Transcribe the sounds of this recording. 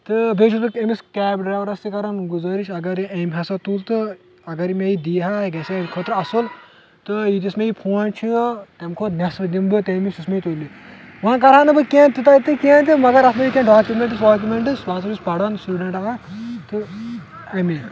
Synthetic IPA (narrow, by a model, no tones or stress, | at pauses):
t̪ɨbʱet͡ʃʰutɨemiskɛːbɖɾaːʋɾɐst̪ikɐɾɐnɡuzɐːɾit͡ʃʰɐɡɐɾiemʲɦɐsɐt̪ult̪ɨ | ɐɡɐɾimejid̪iːɦaɡɐsekʰoːt̪ɾɐsul | t̪ɨjit̪ismeipʰuːnt͡ʃʰit̪emkʰot̪nɐsd̪imbɨt̪emist̪ismeit̪olːi | ʋãːnkɐɾaːnɨbɨkent̪it̪ait̪ɨkʲẽːnt̪imɐɡɐɾɐsmejikʲẽːnɖaːkʲumʲeɳʈ̬ɨsɖaːk̬ʲjumʲeɳʈɨsʋaːsɾisbɐɽɐnsʈuːɖɐɳʈaːɦat̪ɨ | ɐmi